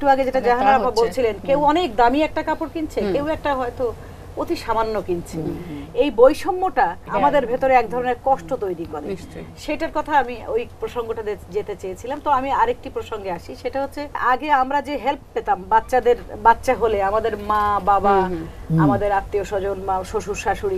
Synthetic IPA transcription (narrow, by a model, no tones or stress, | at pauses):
ekʈuaɡed͡ʑeʈad͡ʑaɦanaɾabʱabolt͡ɕʰilenkewɔnekd̪amiɛk̚ʈakapoɾkint͡ɕʰekewɛk̚ʈaɦɔet̪o | ot̪iʃamanːokint͡ɕʰeejbojʃɔmːoʈaamad̪eɾbʱet̪oɾeɛk̚d̪ʱɔɾoneɾkɔʃʈot̪ojɾikoɾe | ʃeʈaɾkɔt̪ʰaamiojpɾoʃoŋɡoʈad̪ed͡ʑet̪et͡ɕejet͡ɕʰilamt̪oamiaɾek̚ʈipɾoʃoŋɡeaʃiʃeʈaɦotːɕʰeaɡeamɾad͡ʑeɦelppet̪ambatːɕad̪eɾbat̪ːɕaɦoleamad̪eɾmababaamad̪eɾat̪ːioʃɔd͡ʑonmaʃoʃuʃaʃuɾi